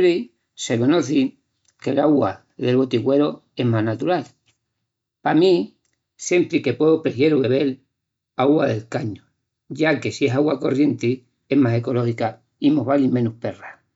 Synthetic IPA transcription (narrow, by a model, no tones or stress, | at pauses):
ɾi | se̞ko̞no̞θi | ke̞laɣwa | ðe̞lβo̞t̪iɣwe̞ɾo | e̞ɦmaɦnat̪uɾal | pami | sje̞mpɾike̞pweðopɾeθje̞ɾuβe̞βe̞l | aɣwaðe̞lkaɲo | ɟ͡ʝake̞sie̞saɣwako̞rje̞nt̪i | e̞ɦmaseko̞lo̞hika | imoɦβalimẽ̞nuhpe̞ra